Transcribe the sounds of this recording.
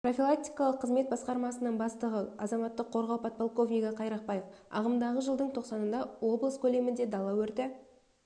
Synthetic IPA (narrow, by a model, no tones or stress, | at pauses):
pro̞fʲilˠak̚t̪ijkɑlˠəqʰːəzme̞t̪̚bɑsqɑɾmɑsənəɴbɑst̪əʁəɑzɑmɑt̪ːəqʰːo̞ɾʁɑwpʰɑt̪̚polˠko̞vnijɡɑqʰɑjɾɑq̚pɑjəfɑ̰ʁəmd̪ɑʁəʒəlˠd̪əɴt̪ʰo̞qsɑnənd̪ɑwo̞blˠəskʲʰɵle̞mɪnd̪e̞d̪ɑlˠːɑwɵɾt̪ɪ